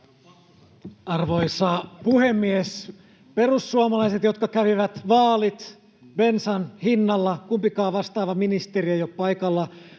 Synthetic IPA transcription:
ɑrʋoisɑːpuhemːies | pe̞rusːuɑmɑlɑiset̪jo̞t̪kɑkæʋiʋæt̪ʋɑːlit̪ | bensɑnhinːɑlːɑkumpikɑːʋɑst̪ɑːʋɑminist̪eriæjopɑjkɑlːɑ

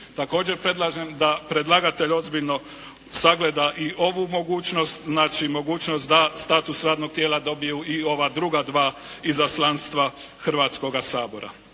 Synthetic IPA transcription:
t̪ako̞ːd͡ʒe̞ɾpɾe̞d̪lˠaʒemd̪apɾe̞d̪lˠaɡat̪e̞ʎo̞zbiʎno̞ | saɡle̞d̪aʔio̞ʋumo̞ɡuːt͡ʃno̞st̪znaːt͡ʃimo̞ɡuːt͡ʃnost̪d̪ast̪aːt̪usɾaːd̪no̞ɡ̚t̪jelad̪o̞bijuio̞ʋad̪ɾuɡad̪ʋaː | izaslˠanst̪ʋa | xr̩ʋaːt̪sko̞ɡasaːbo̞ɾa̰

